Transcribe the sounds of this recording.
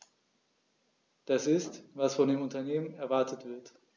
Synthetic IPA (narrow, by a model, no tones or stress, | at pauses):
d̥asɪstvasfɔndeːmʊntɐneːmənɛɐvaɐtətv̥ɪɐt